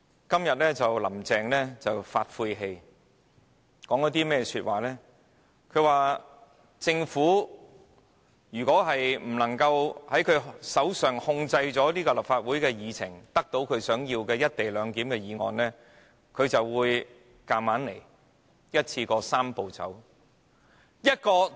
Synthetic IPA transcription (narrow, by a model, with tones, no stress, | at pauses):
kɐ˥mjɐ˨t̚lɛː˥t͡sɐ˨wlɐ˨˩mt͡sɛː˨ŋlɛː˥t͡sɐ˨wfaː˧t̚fuː˧jɦe˧j | kɔː˨˥ŋjɐ˥t̪̬iː˥mɛː˥ɛsyː˧t̚waː˨˩lɛː˥ | kʰɵ˨˧ɥwaː˨ | t͡sɪ˧ŋfuː˨˥ | jyː˨˩kʷɔː˨˥ɦɐ˨jm̩˨˩lɐ˨˩ŋkɐ˧whɐ˨˥jkʰɵ˨˧ɥsɐ˨˥wsœː˨˩ŋhʊ˧ŋt͡sɐ˧jt͡sɔː˨˥niː˥kɔː˧lɐ˨p̚faː˧t̚wuː˨˥jkɛː˧jiː˨t͡sʰɪ̰˨˩ŋt̪ɐ˥k̚t̪o˨˥wkʰɵ˨˧ɥsœː˨˥ŋjiː˧wkɛː˧jɐ˥t̚t̪e˨jlœː˨˧ŋkiː˨˥mkɛː˧jiː˨˧ŋɔ̰ː˨nlɛː˥ | kʰɵ˨˧ɥt͡sɐ˨wwuː˨˧j | kaː˧maː˨˥nle˨˩j | jɐ˥t̚t͡sʰiː˧kɔː˧saː˥mpo˨wt͡sɐ̰˨˥w | jɐ˥t̚kɔː˧